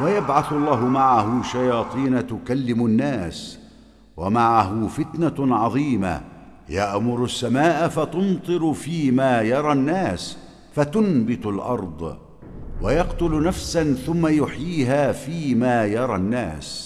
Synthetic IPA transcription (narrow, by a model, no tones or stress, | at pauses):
wajabʕaθɑlˤːɑːɦʊmaʕaɦʊʃajɑːt̪ˤiːnat̪ʊkalːɪmʊnːaːs | wamaʕaɦʊfɪt̪naʕɑðˤiːma̰ | jaʔmʊɾʊsːamaːʔafat̪ʊnt̪ˤɨɾʊfiːmaːjɑɾˤɑnːaːs | fat̪ʊnbɪt̪ʊlʔɑ̰ɾˤd̪ˤ | wajɑqt̪ʊlnafsanθʊmːajʊħjiːɦaːfiːmaːjɑɾˤɑnːa̰ːs